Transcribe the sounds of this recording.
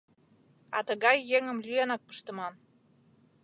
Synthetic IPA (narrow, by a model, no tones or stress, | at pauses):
ɑ̰t̪əɣɑjːeŋə̆mlyenɑk̚pə̥ʃt̪ə̆mɑm